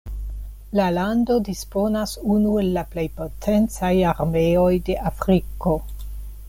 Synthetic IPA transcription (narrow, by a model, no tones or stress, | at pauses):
lalando̞dispo̞nasunue̞lːaple̞jpo̞tʰe̞nt͡sajaɾmeo̞jde̞ʔafɾiko̞